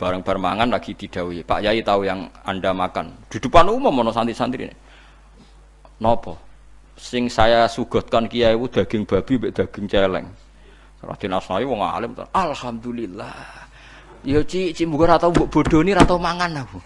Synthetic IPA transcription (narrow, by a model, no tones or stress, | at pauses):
b̥a̤ɾəŋb̥a̤rmaŋanlaɡ̥it̪iɖ̪̥a̤wipa̰ʔjait̪aujaŋaɳɖamakand̪̥ṳd̪̥ṳpanumɔmːɔnɔsant̪iʔsant̪iɾḭnḛ | nɔpɔ | sɪŋsajasuɡ̥ɔ̤t̪̚kankijaiwud̪̥a̤ɡ̥ɪŋb̥a̤b̥imbeʔd̪̥a̤ɡ̥ɪ̤ŋt͡ʃelɛ̰ŋ | sɾa̰d̪̥e̤nasɔnaɲuwɔŋa̰lɪmt̪ɔ̰ʔalhamd̪ulilːah | jot͡ʃiʔt͡ʃimbuɡaɾat̪aumbɔʔb̥o̤ɖ̥o̤niɾat̪amaŋanaku